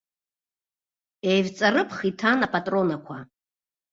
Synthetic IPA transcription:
ejvt͡sʼarɨpʰχitʰanapʰʼatʼro̞nakʷʰa

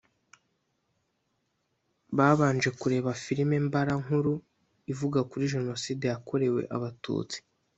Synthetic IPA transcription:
βaːβaːnd͡ʒe̞kuɾe̞ːβafiɾime̞mbaɾaŋhuɾu | ivuɡakuɾiʒe̞no̞siːdejako̞ɾe̞we̞̰ʔa̰βatṵːt͡si̥

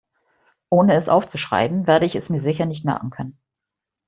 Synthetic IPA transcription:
ʔoːnəɛsʔa̰ʊft͡suʃʁ̥a̰ɪbm̩veːɐɾəɪçɛsmiːɐzɪçɐnɪçtmɛ̰ɐɡŋ̩kʰœnən

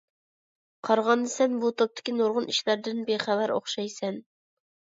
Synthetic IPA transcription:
qʰɑɾʁɑnd̪ɨsɛnbut̪ʰop̚t̪ʰɪ̥kʲinoɾʁʊniʃlæɾd̪ɪnbeχævæɾo̰χʃɑjsɛn

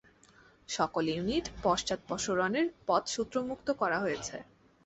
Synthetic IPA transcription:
ʃɔkoljuniʈpɔʃt͡ɕat̪̚pɔʃoɾɔneɾpɔt̪ʃut̪ːɾomukt̪okɔɾaɦojet͡ɕʰḛ

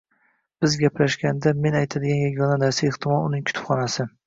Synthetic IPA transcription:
b̥ɪzɡʲaplaʃɡʲand̪ame̞najt̪ʰad̪ɪɡʲanjaɡʲɒnanaɾsaɪχt̪ʰɪmɒlˠʊnɪŋkʲʰʊ̥t̪ʰʊ̥pχɒnasɪ

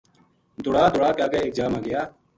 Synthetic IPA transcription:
d̪ʊɽaːd̪ʊɽaːkaːkeːeːk̚d͡ʒaːmãːɡɪjaː

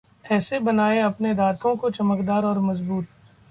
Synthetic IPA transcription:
ɛːsebɐnaːeɐpneɾaːt̪ʰõkot͡ʃɐməkd̪aːɾɔːɾmɐzbuːt̪

